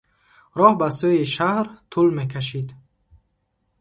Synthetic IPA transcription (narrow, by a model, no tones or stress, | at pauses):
ɾɔhbasuiʃahɾt̪ʰulme̞kʰaʃid̪